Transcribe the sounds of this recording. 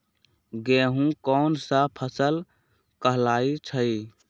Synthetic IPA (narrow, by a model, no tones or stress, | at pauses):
ɡeːɦũkɔːnsəpʰəsəl | kəɦlaːit͡ʃʰəi